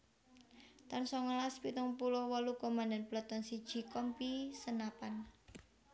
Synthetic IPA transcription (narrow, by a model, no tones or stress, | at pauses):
t̪ansɔŋalaspit̪uŋpulɔwɔlukomãndanplɔt̪ɔnsid̥ʒ̥i̤kɔmpisənapan